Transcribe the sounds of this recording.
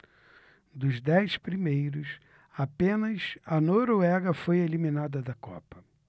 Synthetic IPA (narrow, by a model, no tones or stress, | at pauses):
d̪ʊzd̪ɛjspɾimejɾʊs | apẽnɐsɐnoɾoɛɡɐfojeliminad̪ɐd̪ɐkɔ̰pɐ̥